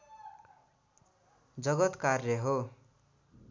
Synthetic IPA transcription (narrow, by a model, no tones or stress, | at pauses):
d͡zʌɡʌt̪karjʌɦo